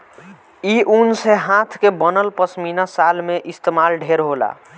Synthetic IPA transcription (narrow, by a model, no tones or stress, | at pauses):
iʔunseɦãt̪ʰkebənəlpəsminasalmeʔist̪emalɖʱeɾɦola̰